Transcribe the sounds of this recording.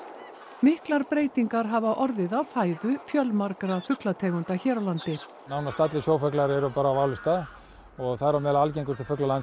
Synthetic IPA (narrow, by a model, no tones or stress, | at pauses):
mɪhklaɾpɾeːjt̪iŋkaɾ̥ɦavaʔɔɾðɪðawfaːjðʏfjœlmaɾkɾafʏklat̪ʰɛːɣʏnt̪açɛːɾawlant̪ɪ | naːwnast̪at̪lɪsjoːwfœklaɾɛɾʏpaːɾaːwaːwlɪst̪a | ɔɣθaðɾamɛðlaalc̬ejŋkʏst̪ʏfʏklalan